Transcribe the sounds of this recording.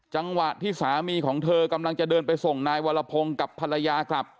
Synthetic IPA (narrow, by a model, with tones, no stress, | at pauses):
t͡ɕa˧ŋwa˨˩t̪ʰːiː˥˩saː˩˦miː˧kʰɔː˩˦ŋt̪ʰɤː˧ka˧mla˧ŋt͡ɕa˨˩ʔdɤː˧npa˧jso˨˩ŋnaː˧jwaː˧la˧pʰo˧ŋka˨˩pʰːa˧la˧jaː˧kʰɾa˦˥˩p̚